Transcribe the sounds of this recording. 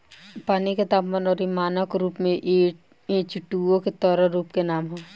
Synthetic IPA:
paːniket̪aːpːənɔːɾimaːnəkɾuːpmẽʔe | eːt͡ʃɪʈːuõket̪ɔːɾəɾuːpkenaːmɦoː

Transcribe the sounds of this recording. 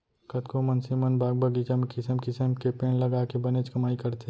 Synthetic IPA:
kɐt̪komɐnsimənbaːɡ̚bɐɡit͡ʃɐmkɪsəmkɪsəmkepeːnlɐɡaːkebɐneːt͡ʃkɐmaːikɐɾt̪e

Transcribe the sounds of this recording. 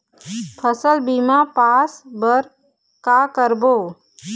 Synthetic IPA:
pʰəsəlbimapaːsbəɾ | kaːkəɾboː

